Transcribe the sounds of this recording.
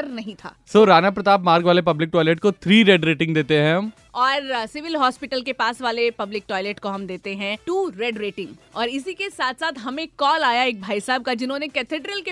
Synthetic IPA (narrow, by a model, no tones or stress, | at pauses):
ɐɾnɐɦĩt̪ʰa̰ːsoːɾaːnapɾɐt̪aːpmaːɾɡʋaːlep̬ɐblɪk̚ʈɔːɪlɛʈ̚kot̪ʰɾiːɾɛːɖɾeːʈɪ̃ŋɡd̪eːt̪eɦɛ̃ɦɐm | ɔːɾsɪʋɪlɦɔːspɪʈəlkepaːsʋaːlepɐblɪk̚ʈɔːɪlɛʈkoɦɐmd̪eːt̪eɦɛ̃ʈuːɾɛːɖɾeːʈɪ̃ŋɡɔːɾɪsikesaːt̪ʰsaːt̪ɦɐmẽkɔːlaːjaeːk̚bʱaːisaːb̚kad͡ʒɪnɦõːnekɛːt̪ʰeːɖɾəlke